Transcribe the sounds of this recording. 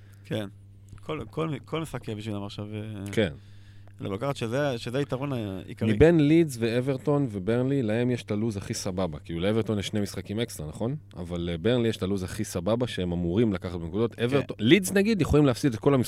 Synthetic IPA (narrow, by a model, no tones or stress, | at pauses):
kʰen | kʰolkʰolkʰolmisχakebiʃvilamaχʃaveke̞n | lḛlokaχat̪ʃezeaʃezeaitaʁonaḭkaʁmibe̞nlidzveeve̞ʁto̞nve̞be̞ʁnlilahe̞mjeʃtaluzaχisababa̰kiːluleevet̪o̞njeʃnemisχakime̞kstʁanaχo̞n | a̰valebeʁnlijeʃtaluzaχisababaʃee̞mamuʁimlakaχat̚benekud̪o̞t̪eveʁtolidznaɡid̪jeχolimleafsid̪et̚ko̞lami